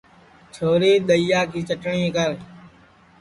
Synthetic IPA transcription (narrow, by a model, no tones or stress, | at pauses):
t͡ʃʰoːɾeːɗ̪əjaːkiːt͡ʃəʈɳĩːkəɾ